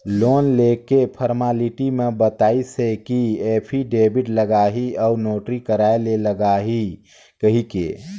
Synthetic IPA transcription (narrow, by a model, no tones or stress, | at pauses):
loːnleːkepʰəɾmaːliʈimẽbət̪aːisekieːpʰiɖeːbɪʈləɡaːɦiɔʊɾnoːʈɾikəɾaːeleləɡaːɦi | kəɦikḛː